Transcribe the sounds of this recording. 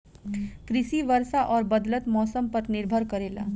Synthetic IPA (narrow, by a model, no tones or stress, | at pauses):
kɾisiʋəɾsaʔɔːɾbəd̪lət̪mɔːsəmpəɾniɾbʱəɾkəɾela̰